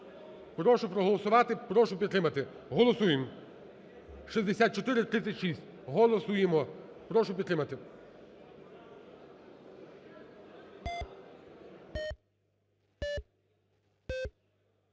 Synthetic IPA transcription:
pɾɔʃʊpɾɔɦɔlˠɔsʊʋɑt̪ɪpɾɔʃʊpʲid̪t̪ɾɪmɐt̪ɪ | ɦɔlˠɔsujɪm | ʃizʲd̪esʲat̪̚t͡ʃɔt̪ɪɾɪt̪ɾɪt̪sʲɐtʲʃisʲtʲ | ɦɔlˠɔsujemɔ | pɾɔʃʊpʲid̪t̪ɾɪmɐt̪ɪ

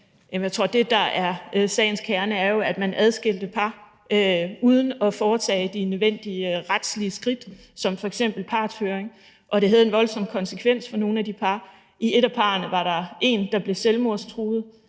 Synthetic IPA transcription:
jem̩jat͡sʰʁo̝̰ɐ̰d̥e̝d̥ɑ̈æɐsɛ̰ːɪn̩skʰæɐnəæɐjo̝æd̥mænʔæðˠsɡ̥e̝l̰d̥əpʰɑ̈ː | uð̞ˠn̩ɒ̽fɒːt͡sʰɛ̰ːd̥inøðˠʋen̰d̥iəʁad̥sliəsɡ̥ʁid̥ | sɒ̽mfɒ̽eɡ̥sem̰b̥l̩pʰɑ̥̈ːsføːɐʁeŋ | ʔɒ̽ɾe̝ɦæð̞̩ˠe̝nʋɒ̽lsɒ̽mkʰɒ̽nsəkʰʋen̰sfɒ̽no̝ːn̩æd̥ipʰɑ̈ː | ʔie̝ɾæpʰɑ̈ːnəʋɑ̈ɾɑ̈e̝nd̥ɑ̈b̥le̝selmo̝ɐ̰st͡sʰʁuːð̞̩ˠ

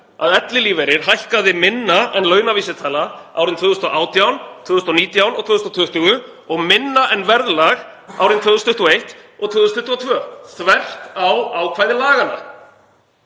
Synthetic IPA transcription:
a̰ðɛt̪lɪliːvejɾɪɾ̥ɦajhkaðɪmɪnːaɛnlœːɥnaviːsɪt̪ʰaːlaaːwɾɪnt̪ʰvʏːɣʏst̪ɔʔaːwt̪jawnt̪ʰvʏːðʏst̪ɔniːt̪jawnɔɣt̪vʏːðʏst̪ɔt̪ʰʏht̪ʏɣʏ | ɔɣmɪnːaʔɛnvɛɾðlaɣ | a̰wɾɪnt̪ʰvʏɣʏst̪ʏht̪ɪɔejht̪ɔɣt̪ʰvʏɣðʏst̪ʰʏ̥ht̪ɪɔt̪ʰvœːθvɛr̥t̪awawkʰvaːjðɪlaːɣana̰

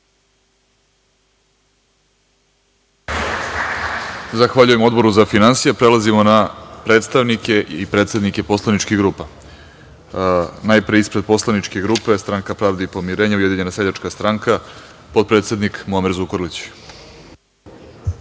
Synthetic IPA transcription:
zaxʋaʎuje̞mo̞d̪bo̞ɾuzafinansijepɾelˠazimo̞napɾe̞ːt̪st̪aʋnike̞ʔipɾe̞t̪sed̪nike̞po̞slˠanit͡ʃkiɣɡɾuːpa | najpɾeispɾe̞d̪̚po̞slˠanit͡ʃkeɡɾuːpe̞st̪ɾaŋkapɾaːʋd̪eipo̞miɾeːɲauje̞d̪iɲe̞naseʎat͡ʃkast̪ɾaŋka | po̞d̪̚pɾet̪sʲe̞d̪nikmuamiɾzukoɾlit͡ɕ

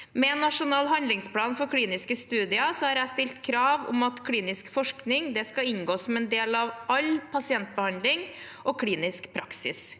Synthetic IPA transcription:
mɛɛnːɑʂʊnɑːlɦɑnd̪ɪŋspʰlɑːnfɔɾkʰliːnɪskəst̪ʉːd̪ɪɑsɔhɑɾæɪst̪ɪlt̪kʰɾɑːʋʊ̰mɑt̪kʰliːnɪskfɔʂknɪŋd̪ɛskɑɪɲɡoːsɔmɛnd̪eːlɑʋɑlpʰɑsɪɛnt̪̚bəhɑnd̪lɪŋ | ʔɔkʰɽiːnɪskpʰɾɑksɪ̰s

